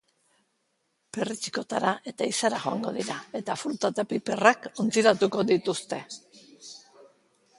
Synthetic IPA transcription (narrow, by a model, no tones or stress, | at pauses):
pe̞rit͡ʃi̥ko̞t̪aɾaʔe̞t̪aisaɾaʝo̞a̰ŋɡo̞ðiɾae̞t̪afɾut̪at̪apipe̞rako̞nt͡siɾat̪uko̞ðit̪ust̪e̞